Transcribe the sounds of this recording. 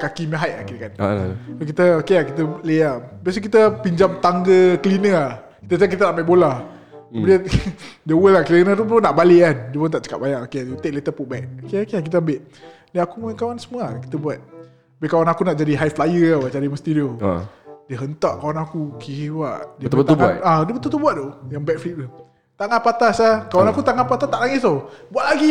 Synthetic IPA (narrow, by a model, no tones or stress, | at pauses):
kakiməɦajʔa̰kikansokit̪əokeakit̪əleabias̬ək̬it̪əpiɲd͡ʒamt̪aŋɡəkəlinəa | kit̪ət̪̬akit̪̬ənaʔmaʔbolah | diədəwəlakliənət̪upunaʔbaleʔkandiəpʊnt̪aʔt͡ʃə̥ka̰ʔ̚baɲaʔokeaut̪eʔ̚let̪əpuʔbɛk̚okeokeak̬it̪əəmbeʔ | diakumunkawansəmuaki̥t̪əbuat̪̚ | bɛkawanakunaʔd͡ʒadiɦajflajəawaʔd͡ʒaɾiməst̪idio | diəɦənt̪aʔkawanakukewaʔdiəət̪ubadiəbət̪ult̪ulbuat̪̚t̪ojaŋbɛk̚fliʔ̚do | t̪aŋapat̪asakawanakut̪aŋanpat̪at̪aʔlaŋɪt̪obuatʔlaɡi